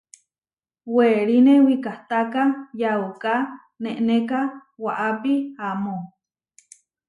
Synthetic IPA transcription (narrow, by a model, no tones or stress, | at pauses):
weɾinewikaht̪akajauka | neʔnekawaʔapiamo